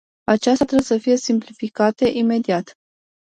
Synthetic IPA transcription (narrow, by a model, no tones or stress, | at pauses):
at͡ʃast̪ɾebesəfije̞simplifikat̪e̞ʔime̞d̪iat̪